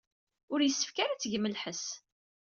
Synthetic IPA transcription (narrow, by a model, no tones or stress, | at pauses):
ʊɾjəsːə̥fkaɾat͡sːʝməlħəs